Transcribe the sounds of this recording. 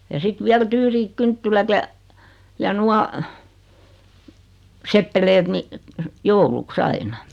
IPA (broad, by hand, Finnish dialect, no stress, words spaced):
jɑ sit ʋiæl tyːriːk kyntːilæt jɑ jɑ nuɑ sepːelet ni jouluks ɑinɑ